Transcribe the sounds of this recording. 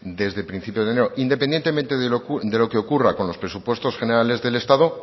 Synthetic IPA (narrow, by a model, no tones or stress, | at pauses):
d̪e̞zðepɾin̟θipjo̞zðene̞ɾoʔind̪epe̞nje̞nt̪ement̪eðed̪e̞lo̞keokurako̞nlo̞spɾe̞supwe̞st̪osxe̞ne̞ɾale̞zðe̞le̞st̪aðo